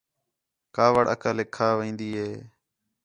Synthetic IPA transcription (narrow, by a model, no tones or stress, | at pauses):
kaːʋəɽʔə̰kaːlɪkʰːaːʋĩːnd̪iːɦeː